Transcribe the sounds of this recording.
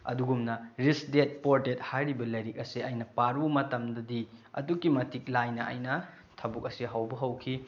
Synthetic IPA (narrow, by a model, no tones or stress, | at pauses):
ɐ̰duɡumnɐɾisdet̚poɾtet̚hajɾibɐlɐjɾik̚ɐsiɐjnɐpaɾumɐtɐmdɐdiɐ̰dukːimɐtik̚lajnɐʔɐ̰jnɐ | tʰɐbuk̚ɐsiɦɐwbɐɦɐwkʰi